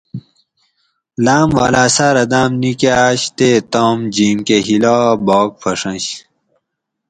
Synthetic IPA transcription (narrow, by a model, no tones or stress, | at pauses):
laːmʋa̰laːsaːɾɐd̪aːmnikaːɕt̪et̪omd͡ʑiːmkeɦilaːbɔːk̚fɐʂɐ̃ɕ